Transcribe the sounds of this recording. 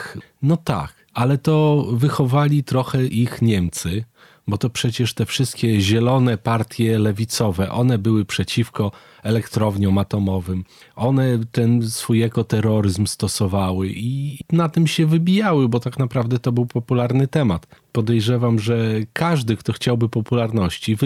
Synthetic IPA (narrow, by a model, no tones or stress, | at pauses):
nɔt̪a̰k | alɛt̪ɔvɘxɔvalʲit̪ɾɔxɛʔixɲɛmt̪sɘ | bɔt̪ɔpʂɛt͡ɕɛʂt̪ɛfʂɘst̪̚kʲɛʑɛlɔnɛpaɾt̪ʲjɛlɛvʲit̪sɔvɛʔɔn̪ɛbɘwɘpʂɛt͡ɕifkɔ | ɛlɛkt̪ɾɔvɲɔw̃at̪ɔmɔvɘm | ɔnɛt̪ɛnsfujɛkɔt̪ɛɾɔɾɘzmst̪ɔsɔvawɘʔinat̪ɘmɕɛvɘbʲijawɘbɔt̪aknapɾavd̪ɛt̪ɔbɘwpɔpulaɾnɘt̪ɛmat̪pɔd̪ɛjʐɛvamʐɛkʰaʐd̪ɘkt̪ɔxt͡ɕawbɘpɔpulaɾnɔɕt͡ɕiv